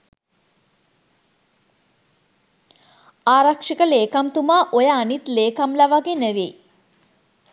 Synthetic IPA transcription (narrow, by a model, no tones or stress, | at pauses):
aːɾakʂikəleːkamt̪umaːʔojəːnit̪leːkamlæʋaɡenəʋe